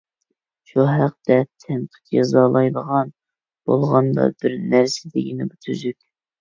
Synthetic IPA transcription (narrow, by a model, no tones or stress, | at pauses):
ʃuɦæq̚t̪ɛt̪ʰɛnqʰə̥t͡ʃjɑzɑlˠɑjd̪əʁɑn | b̥o̰lˠʁɑnd̪ɑ̰bɪɾnæɾsɪd̪ɪɡʲinɪbut̪ʰyzykʲ